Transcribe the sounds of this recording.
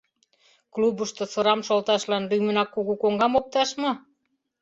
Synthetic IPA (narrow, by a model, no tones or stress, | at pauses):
klubəʃt̪osɤ̆ɾɑmʃolt̪ɑʃlɑnlymə̆nɑkːuɣukoŋɡɑmop̚t̪ɑʃmɤ